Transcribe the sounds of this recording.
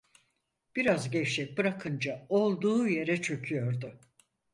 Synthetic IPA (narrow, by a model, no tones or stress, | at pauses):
b̥iɾazɟɛt͡ʃt͡ʃɛc̚bɯɾakʰɯnd͡ʒao̞lˠd̪uːje̞ɾɛt͡ʃʰø̞cʰyjo̞ɾd̪ʊ